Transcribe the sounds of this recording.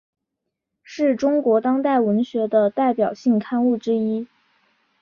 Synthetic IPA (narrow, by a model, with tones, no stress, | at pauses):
ʂɻ̩˥˩ʈ͡ʂʊ˥ŋkwɔ˧˥t̪ɑ˥ŋt̪a˥˩ɪwə˧˥nɕɥɛ˧˥d̪ə˧t̪a˥˩ɪpjɑ˨˩ʊɕi˥˩ŋkʰa˥˧nu˥˩ʈ͡ʂɻ̩˥i˥